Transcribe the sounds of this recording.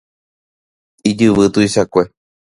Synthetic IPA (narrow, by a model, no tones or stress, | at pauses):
id͡ʒɨʋɨt̪uiʃakʷe